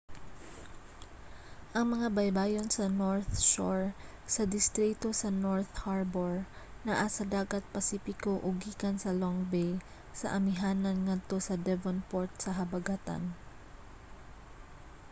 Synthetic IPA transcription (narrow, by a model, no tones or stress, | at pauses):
ʔɐŋmɐŋabɐjbaːjonsɐnoɹθʃoɹ | sɐd̪ɪst̪ɾit̪o̞sɐnoɹt̪haɹboɹnɐʔasɐd̪aːɡɐt̪̚pɐsiːpɪkoʔʊɡiːkɐnsɐloŋbɛj | sɐ̰ʔɐmɪɦaːnɐnŋɐd̪̚t̪o̞sɐd̪ɛvonpoɹt̪̚sɐɦɐbɐɡat̪a̰n